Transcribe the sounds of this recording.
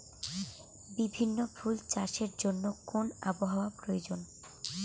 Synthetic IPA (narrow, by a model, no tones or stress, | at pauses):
bibʱinːofʰult͡ɕaʃeɾd͡ʑonːokona̰boɦaoapɾojod͡ʑon